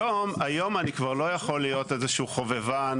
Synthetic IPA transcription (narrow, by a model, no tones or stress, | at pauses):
o̞majo̞manikvaʁlo̞jaχo̞lijo̞t̪ezeʃuːχo̞vevan